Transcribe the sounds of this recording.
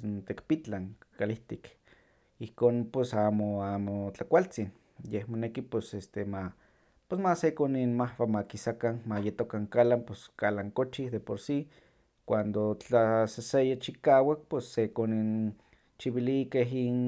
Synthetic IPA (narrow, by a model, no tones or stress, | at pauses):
nt̪ekpit͡ɬaŋkaliht̪ik | ihkoːnpesaːmoaːmot͡ɬakʷalt͡sin | jehmonekipesest̪ema | pesmasekoninmahpamakisakanmajet̪okaŋkalamposkalaŋkot͡ʃihd̪epoɾsi | kʷand̪ot͡ɬasesejat͡ʃikaːwak̚pesːekonin | t͡ʃiβilikeɦin